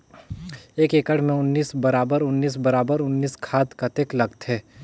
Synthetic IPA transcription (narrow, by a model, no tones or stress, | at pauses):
eːkeːkəɽmẽʊnːiːsbɐɾaːbəɾʊnːiːs̬bɐɾaːbəɾʊnːiːskʰaːt̪kɐt̪eklɐɡt̪ɦɛː